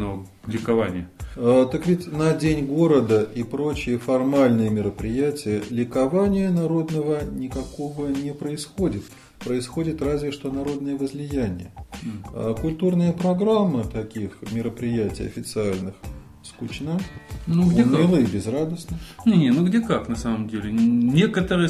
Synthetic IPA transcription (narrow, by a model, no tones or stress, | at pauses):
no | lʲɪkɐvanʲɪjəət̪əkvʲitʲnɐdʲenʲɡo̞ɾəd̪əʔipɾo̞t͡ɕɪjəfɐrmalʲnɨjəmʲɪɾəpɾʲɪjætʲɪjəlʲɪkɐvanʲɪjənɐɾo̞d̪nəvənʲɪkɐko̞vənʲɪpɾəɪsxo̞dʲɪt̪ | pɾəɪsxo̞dʲɪt̪razvʲɪʂt̪o̞nɐɾo̞d̪nəjəvəzlʲɪjænʲɪ̰jəəkʊlʲt̪urnəjəpɾɐɡɾamːɨt̪ɐkʲixmʲɪɾəpɾʲɪjætʲɪ̰jɐ̰fʲɪt̪sɨalʲnɨx | skʊt͡ɕnanuɡemilˠəbʲɪzrad̪əsnɨnʲenʲenuɡdʲekaknɐsaməmdʲelʲɪnʲekət̪əɾɨjə